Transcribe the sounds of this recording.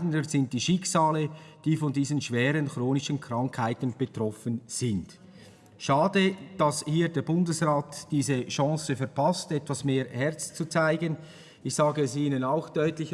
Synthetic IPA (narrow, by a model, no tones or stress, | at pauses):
ndəz̥ɪnt̚d̥iːʃɪksaːləd̥iːfɔndiːzənʃv̥ɛːɾənxʁoːnɪʃənkʰʁ̥aŋkhaɪtn̩b̥ətʁɔfənz̥ɪnt | ʃaːdəd̥ɑshiːdeːɐbʊndəsʁaːtd̥iːzəʃɑ̃ːsəfɛɐpʰastɛtvasmeːʁhɛʁt͡st͡sut͡saɪɡən | ɪçsaːɡəs̬iːnənaʊxd̥ɔʏtlɪç